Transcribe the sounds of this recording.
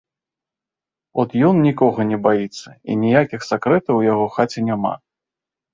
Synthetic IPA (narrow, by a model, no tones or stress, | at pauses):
ɔt̪jɔnnʲikɔɣɐnʲɛbajit̪sːɐḭnʲijakʲixsʲakɾɛt̪ɐwjaɣɔxat͡sʲɛnʲama̰